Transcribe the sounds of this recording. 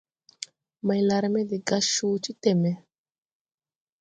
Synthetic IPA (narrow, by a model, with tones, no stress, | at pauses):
ma˨jla˨ɾmɛ˦d̪i˨ɡa˨ʃuːt͡ʃi˦t̪ɛ˨mɛ˨